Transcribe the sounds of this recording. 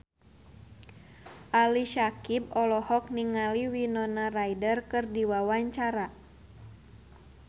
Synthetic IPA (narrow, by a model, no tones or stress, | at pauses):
ʔaliʃakib̚ɔlɔhɔk̚niŋaliwinɔnarajdərkɨrdiwawaɲt͡ʃaɾa